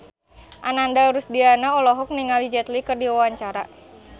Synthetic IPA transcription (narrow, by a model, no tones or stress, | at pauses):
ʔanandaɾusdianaɔlɔɦɔk̚niŋalid͡ʒɛt̪likɨrdiwawaɲt͡ʃaɾa